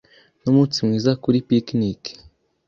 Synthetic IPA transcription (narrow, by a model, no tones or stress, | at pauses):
nomut͡simŋiːzakuɾipiknik